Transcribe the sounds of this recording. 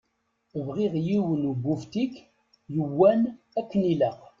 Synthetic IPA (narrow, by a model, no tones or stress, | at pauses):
vʁiʁjiwənubːuft̪ikː | jəwːæn | ækːəniləq